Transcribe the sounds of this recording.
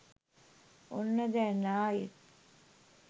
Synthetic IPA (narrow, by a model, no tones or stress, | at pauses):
onːəd̪ɛːnaːjet̪